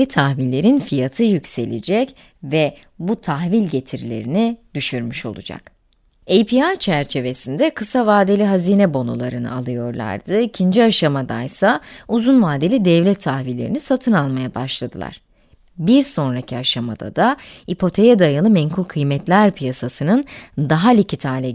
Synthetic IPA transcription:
ɛt̪ʰahvilʲːe̞ɾinfijat̪ʰɯjycse̞̰lʲḭd͡ʒɛc | vɛ | but̪ʰaxvilʲɟe̞t̪ʰiɾlʲe̞̰ɾinid̪̥yʃyɾmyʃo̞̰lˠṵd͡ʒa̰k | ejpʰiat͡ʃʰæɾt͡ʃʰe̞ve̞sind̪ɛkʰɯsavaːd̪elʲiɦaziːnɛbo̞nṵlˠaɾɯnɯ̰alˠɯjo̞ɾlˠa̰ɾd̪ɯicʰind͡ʒiaʃamad̪a̰jsauzunvaːd̪elʲid̪ɛvlʲɛt̪ʰːahvilʲːeɾinisat̪ʰɯnalˠmajabaʃlˠad̪ɯlˠa̰ɾ̥ | biɾso̞nɾacʰiaʃama̰d̪a̰d̪aipʰo̞t̪ʰe̞jɛd̪ajɯlˠɯmɛnkʰulʲkʰɯjmɛt̪lʲæɾpʰijasasɯnɯnd̪aɦalʲicʰit̪ʰaːlʲɛ

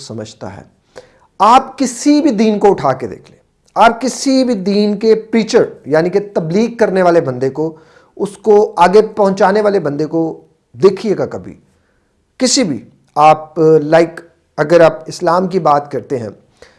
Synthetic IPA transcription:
sɐməd͡ʒʱt̪a̰ɦɛ̰ː | aːpkɪsibʱid̪iːnkoʊʈʰaːked̪ḛːkʰlḛ̃ː | aːp̚kɪsibʱid̪iːnkepɾiːt͡ʃəɾjaːniket̪ɐbliːɡ̚kɐɾneʋaːlebɐ̃nd̪eko | ʊskoaːɡepɐɦʊ̃t͡ʃaːneʋaːlebɐ̃nd̪eko | d̪eːkʰieɡakɐbʱḭ | kɪsibʱḭ | aːplaːɪk | ɐɡəɾaːpɪslaːmk̬ibaːt̪kɐɾt̪eɦɛ̰̃ː

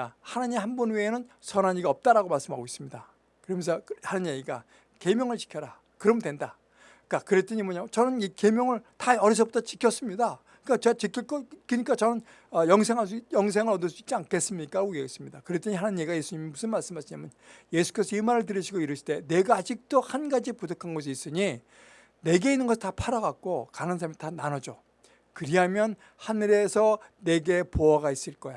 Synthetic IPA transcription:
ahanaɲimhambunwienɯnsʰʌnaɲiɡaʌp̚t͈aɾaɡomaɭs͈ɯmɦaɡois͈ɯmɲida̰ | kɯɾʌmensʰʌhanɯnjeɡiɡa | ke̞mjʌŋɯɭt͡ɕi̥kʰjʌɾa | kɯɾʌmndwe̞nda | k͈akɯɾe̞t͈ʌɲimʌɲat͡ɕʌnɯnike̞mjʌŋɯɭtaʌɾis̬ʰʌbotʰat͡ɕi̥kʰjʌs͈ɯmɲida | k͈at͡ɕeat͡ɕikʰiɭk͈ʌk͈ːɯɲik͈at͡ɕʌnɯn | ʌjʌŋs̬ʰe̞ŋɦas̬ujʌŋs̬ʰe̞ŋɯɾʌdɯɭs͈ui̥k̚t͡ɕ͈iaŋkʰe̞s͈ɯmɲik͈aɾaɡoɡeɡes͈ɯmɲidakɯɾet͈eɲiɦanannɲːeɡaje̞sʰuɲimimusʰɯnmaɭs͈ɯmɦaɕʰiɲamjɯnje̞sʰu̥k͈es͈ʰʌimaɾɯɭt̬ɯɾiɕʰiɡoiɾɯɕʰi̥de̞ne̞ɡaːd͡ʑik̚t͈ohanɡad͡ʑipudokʰanɡʌs̬ʰiːs͈ɯɲi | ne̞ɡe̞inːɯnɡʌsʰtapʰaɾaɡak̚k͈okanɯŋsʰaɾamitananʌd͡ʑo | kɯɾiɦamjʌn | hanɯɾe̞sʰʌne̞ɡe̞poaɡais͈ɯɭk͈ʌja

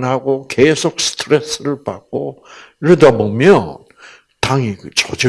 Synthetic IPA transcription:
nɦaɡokesʰok̚sɯ̥tʰɯɾe̞s͈ɯɾɯɭpa̰k̚k͈o | iɾɯdabomjʌn | taŋikɯt͡ɕʌd͡ʑɯ

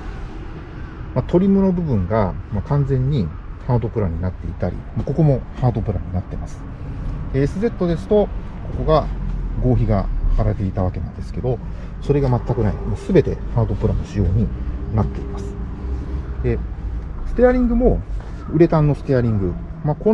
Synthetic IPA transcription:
mat̪ʰo̞ɾʲimɯ̟no̞bɯ̟bɯ̟̃ŋɡamakãnd͡zẽ̞ɲ̟ːi | haːd̪o̞pɯ̟ɾaɲ̟inat̪ːe̞̰ḭt̪aɾʲʔḭmako̞ko̞mo̞haːd̪o̞pɯ̟ɾaɲ̟inat̪ːe̞masɨ̥ | esɨze̞t̪ːo̞d̪e̞sɨ̥t̪o̞ko̞ko̞ɡaɡo̞ːçiɡa̰haɾat̪eit̪aβake̞ã̰nd̪e̞sɨ̥ke̞d̪o̞ | so̞ɾe̞ɡamat̪ːakɯ̟naḭmosɨbe̞t̪e̞̰haːd̪o̞pɯ̟ɾanoɕijo̞ːɲ̟inat̪ːe̞imasɨ̥ | d̪e̞sɨ̥t̪e̞aɾʲĩŋɡɯ̟mo̞ | ɯ̟ɾe̞t̪ãnːo̞sɨ̥t̪e̞aɾʲĩŋɡɯ̟ | mako

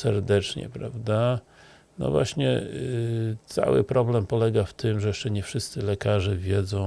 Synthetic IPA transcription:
sɛɾd̪ɛt͡ʂɲɛ̰pɾa̰vd̪a | nɔ̰vwaɕɲɛ̰ | t̪sa̰wɘ̰pɾɔblɛmpɔlɛɡaft̪ɘmʐɛjɛʂt͡ʂɛɲɛfʂɘst̪sɘlɛkaʐɛvʲjɛd̪zɔ̃w̃

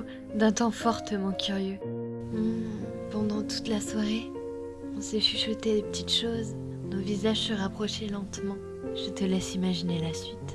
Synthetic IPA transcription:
d̪ɛ̃t̪ɑ̃fɔʁt̪əmɑ̃kʲyʁjø | m̩ | pɑ̃d̪ɑ̃t̪u̥t̪laswaʁe | ɔ̃seʃyʃət̪ed̪epə̥t̪ʰit̪ʃoz | novizaʒsəʁapχɔʃelɑ̃t̪mɑ̃ | ʒ̥ət̪əlɛsimaʒinelasɥit̪

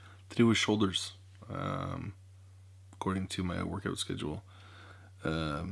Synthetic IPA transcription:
θɹiwɨ̥ʃoʊlˠdə˞z̥ | ʌ̰̃m | əkʰɔɹɾɪ̃ŋtʰɨmaɪwɜ˞kaʊtskɛ̰d͡ʒul̩ˠ | ʌ̃

